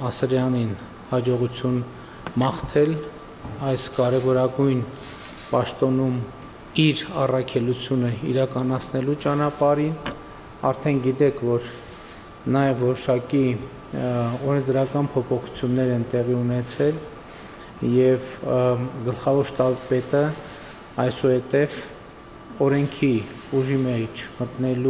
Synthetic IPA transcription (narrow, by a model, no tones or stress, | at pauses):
ɑsɾjɑnin | hɑd͡ʒɔʁut͡sʰjun | mɑχt̪ʰɛl | ɑjskɑɾɛvɔɾɑɡujn | pɑʃt̪ɔnum | iɾɑrɑkʰɛlut͡sʰjunəiɾɑkɑnɑt͡sʰnɛlut͡ʃɑnɑpɑɾin | ɑɾt̪ʰɛnɡit̪ɛkʰvɔɾ | nɑjɛvːɔɾɔʃɑki | ɔɾɛnt͡sʰd̪əɾɑkɑnpʰɔpʰɔχu̥t͡sʰjunːɛɾɛnt̪ɛʁiunɛt͡sʰɛl | jɛv | ɡəlχɑvɔɾʃt̪ɑbpɛt̪ə | ɑjsɔhɛt̪ɛv | ɔɾɛŋkʰi | uʒimɛt͡ʃʰmət̪nɛlu